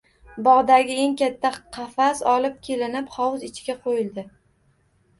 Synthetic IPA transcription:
bɒʁd̪aɡʲɪe̞ŋkʲat̪ʰːaqʰɑfasɒlɪp̚kʲʰe̞lɪnɪpχɒwʊzɪt͡ʃʰɡʲaqʰojɪld̪ɪ

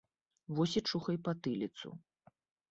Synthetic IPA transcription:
vɔsʲit͡ʂuxɐjpɐt̪ɨlʲit̪sṵ

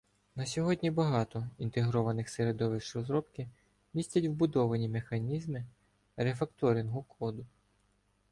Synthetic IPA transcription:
nɐsʲɔɦɔdʲnʲibɐɦɑt̪ɔint̪eɦɾɔʋɐnɪxseɾed̪ɔʋɪʃɾɔzɾɔpkɪ | mʲisʲt͡sʲɐtʲʋbʊd̪ɔʋɐnʲimexɐnʲizmɪ | ɾefɐkt̪ɔɾʲinɦʊkʰɔd̪ʊ

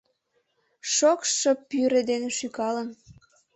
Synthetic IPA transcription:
ʃokʃə̆pyɾed̪eneʃykɑlən

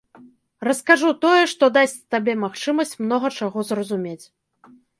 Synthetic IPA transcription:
rɐskaʐut̪ɔjɛʂt̪ɔd̪asʲt͡sʲt̪abʲemaxt͡ʂɨmɐsʲt͡sʲmnɔɣɐt͡ʂaɣɔzrɐzumʲet͡sʲ

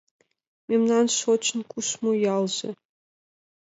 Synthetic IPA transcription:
mʲemnɑnʃot͡ɕʰnkʷʼuʃmojɑlˠʑɘ̰

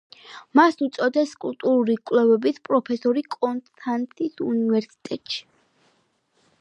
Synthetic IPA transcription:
masut̪sʼɔd̪ɛskʼult̪ʼuɾuɾikʼwlɛvɛbisʰpʼɾɔpʰɛsɔɾikʼɔnst̪ʰant̪ʼisunivɛɾsi̥t̪ʼɛt̪ʼʃi̥

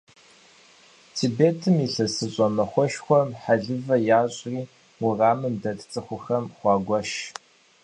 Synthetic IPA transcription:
tʰiːbeːtʰɨmiɬɐsɨɕʼɔmɐχʷɔʃxʷɔmħaɮɨvɐjaːɕʼriː | wʊraːmɨmdɐtʼt͡sʼɨχʷʊxɐmχʷɑːɡʷɔʃ

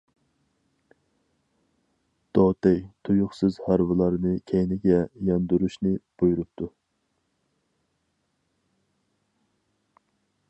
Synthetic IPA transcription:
d̪̥ɔt̪ɛjt̪ʰojʊχsɨzhɑɾvɨlˠɑɾnɨkʲʰɛjnɪɡʲɛjɑnd̪uɾuʃnɨb̥ojuɾup̚t̪ʰu

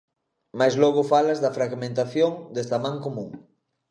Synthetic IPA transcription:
majzlɔɣ̞ʊfalɐzðɐfɾaɣmẽnt̪aθjoŋd̪est̪amãŋkomũŋ

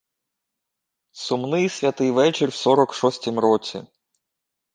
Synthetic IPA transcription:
sʊmnɪjsʲʋʲɐt̪ɪjʋɛt͡ʃɪrʲwsɔɾɔkʃɔsʲtʲimɾɔt͡sʲḭ

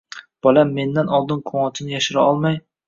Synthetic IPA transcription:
b̥ɒlamːe̞nd̪anɒlˠd̪ɪnkʰoŋɒt͡ʃ̪ʰɪnɪjaʃɪɾaɒlˠmaj

